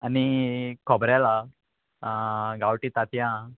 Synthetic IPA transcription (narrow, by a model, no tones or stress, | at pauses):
anikʰɔbɾjala | ɡawʈiːt̪at̪ʰjã